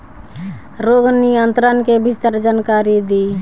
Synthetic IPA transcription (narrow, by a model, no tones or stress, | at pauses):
ɾoɡnijənt̪ɾənkebist̪əɾd͡ʒankaɾid̪e